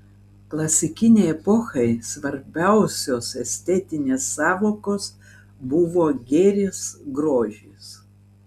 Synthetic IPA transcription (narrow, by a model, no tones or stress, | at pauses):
klˠɐsʲɪkʲɪnʲɛɪɛpoxɐɪsʋɐɾʲbʲɛʊsʲoːsɛsʲt̪ʲɛt̪ʲɪnʲeːsːɑːʋoːkoːs | bʊʋoːɡʲeːɾʲeːsɡɾoːʒʲiːs